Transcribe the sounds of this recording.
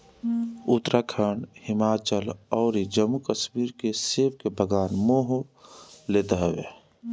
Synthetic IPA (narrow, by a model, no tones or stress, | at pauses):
ʊt̪ɾʔakʰəɳhɪmaːt͡ʃəlɔːɾid͡ʒəmːukəsmiːɾkeseːʋkebʱəɡaːnmoːɦo | leːt̪aɦəʋḛ